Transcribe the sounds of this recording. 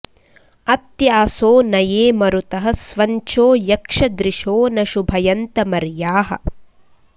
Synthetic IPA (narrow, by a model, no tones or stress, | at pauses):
ɐt̪jaːsoːnɐjeːmɐɾut̪ɐɦɐsʋɐɲt͡ʃoːjɐkʂɐd̪ɾiʂoːnɐʃubʱɐjɐnt̪ɐmɐɾjaːɦɐ̰̆